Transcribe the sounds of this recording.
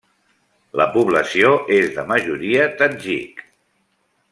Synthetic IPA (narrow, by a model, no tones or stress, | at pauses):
lə̰puβləsioʔezðəməʒuɾiət̪ənʲʒḭk